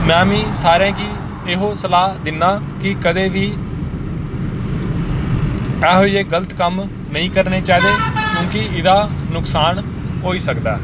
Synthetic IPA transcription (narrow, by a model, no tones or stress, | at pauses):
mɛ̃ːmĩːsaːɾãːkiː | ɪɦoːsəlaːd̪ɪnːaː | kɪkəd̪eːʋiː | ɛːɦoiːeːɡələt̪kəm | nəĩːkəɾneːt͡ʃaːiːd̪eːkjũːkɪɪd̪aːnʊksaːn | ɦoːiːsəkd̪a̰ː